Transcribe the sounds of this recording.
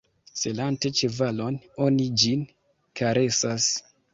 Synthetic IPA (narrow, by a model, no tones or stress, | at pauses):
selante̞t͡ʃevalo̞no̞nid͡ʒin | kʰaɾe̞sas